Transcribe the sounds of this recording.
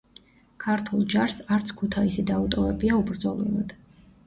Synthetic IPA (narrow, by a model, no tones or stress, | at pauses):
kʰaɾt̪ʰulˠd͡ʒaɾsaɾt̪sʰkʰut̪ʰaisid̪aut̪ʼɔɾɛbiaubɾd̪zɔlˠḭlˠa̰d̪̥